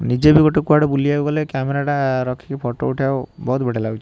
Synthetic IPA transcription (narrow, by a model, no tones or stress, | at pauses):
nid͡ʒebiɡɔʈɔkuaɽɔbuliaɡɔlekameɾaɽaɾɔkʰi̥kipʰɔʈo̰uʈʰiabɔɦut̪beɽelaɡut͡ʃʰi